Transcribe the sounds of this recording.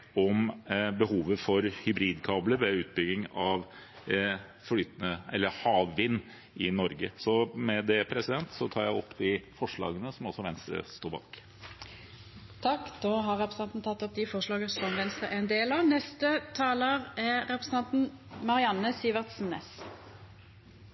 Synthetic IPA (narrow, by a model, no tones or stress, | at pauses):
ɔmbəhuːʋəfɔɾhʏbɾiːd̪kʰɑːbləɾʋɛʉːt̪̚bʏɡɪŋɑʋ | flyːt̪nəɛlːəhɑːʋːɪnː | ʔɪnɔɾɡəsɔmɛd̪ɛpʰɾɛsɪd̪ɛnt̪sɔt̪ʰɑːɾjæɪɔpːd̪ɪfɔʂɭɑ̰ːɡənəsɔmɔsːɔʋɛnst̪ɾə̰st̪oːɾbɑ̰ːk | t̪ʰɑkːd̪oːɦɑʁɛpɾəsɑnt̪nt̪ʰɑt̪ːɔp̚d̪ifɔʂɭɑːɡəsɔmʋɛnst̪ʁəʔɛɛnd̪eːlɑʋnɛst̪ət̪ʰɑːləʁɛɾɛpɾəsən̩ɑnt̪n̩mɑʁɪɑnːəsiːʋəʁt̪sn̩ɛs